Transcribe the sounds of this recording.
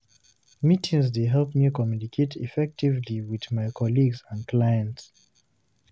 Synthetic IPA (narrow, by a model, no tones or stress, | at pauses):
mitʰĩŋzdeɦɛlpmikɔmjunikʰetʰifɛk̚tivliwiðmajkʰɔliɡzãnkʰlajə̃nts